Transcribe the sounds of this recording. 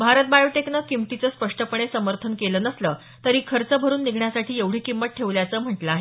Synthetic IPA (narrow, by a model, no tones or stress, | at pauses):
bʱaɾət̪̚bajoʈeknəkimt̪it͡səːspəʂʈəpəɳ̃esəməɾt̪ʰənkelənəsləː | t̪əɾiːkʰəɾt͡səbʱəɾuːnːiɡʱɳjasaʈʰiːeʋɽ̤iːkimːəʈ̚ʈʰːeʋljat͡səːm̤əʈləaɦe